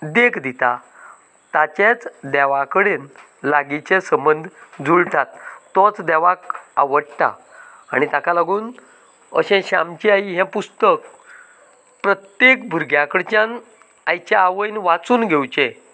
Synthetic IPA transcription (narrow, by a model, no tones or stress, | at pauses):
d̪ekʰd̪it̪a | t̪at͡ɕẽt͡sd̪ɛʋakəɽen | laɡit͡ɕẽsəmbənd̪ʱd͡zuɭt̪at̪ːɔt͡sd̪ɛʋaka̰ʋəɽt̪a̰ | a̰ɽ̃it̪akalaɡuːn | ə̰ɕɛ̃ɕamt͡ɕiaiɦɛ̃pust̪ək | pɾət̪jekbʱuɾɡʱjakəɽt͡ɕãn | ajt͡ɕaːʋəjnʋat͡suːnɡʱewt͡ɕẽ